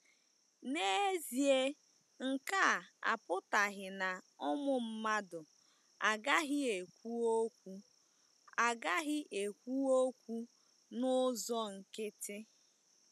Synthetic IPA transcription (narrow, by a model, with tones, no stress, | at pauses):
ne˦e˦zi˨e˦ | ŋ̩˨ka˦˨a̰˨pʊ˦ta˨ɣɪ˨na˨ʊ˦mʊ˨m̩˦ma˦dʊ˨ | a˨ɡa˦ɦɪ˦e˨kʷu˦o˦kʷu˦ | a˨ɡa˦ɦɪ˦ʔe˨kʷu˦o˦kʷu˦ | nʊ˦zɔ˦ŋ̩˨kɪ˦tɪ˦